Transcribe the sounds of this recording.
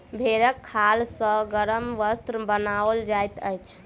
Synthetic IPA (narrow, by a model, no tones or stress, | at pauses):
bʱeɾəkʰːalsə̃ɡəɾəmʋəst̪ɾbənald͡ʒajt̪əjt͡ʃʰ